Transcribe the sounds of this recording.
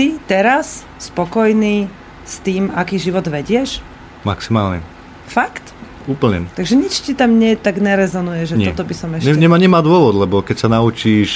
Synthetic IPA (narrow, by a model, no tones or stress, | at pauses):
it̪ɛɾas | spɔkɔjniː | st̪iːmakiːʒiʋɔd̪ʋɛɟɪɛʃ | maksimaːlɲɛ̰ | fakt̪ | uːpl̩ɲɛ̰t̪aɡʒɛɲit͡ʃcit̪amɲɛt̪aɡɲɛɾɛzɔnujɛʒɛɲɔt̪ɔbisɔmɛʃɲɛɲɛaɲɛmaːd̪ʊɔʋɔd̪lɛbɔkɛcsanaut͡ʃiːʃ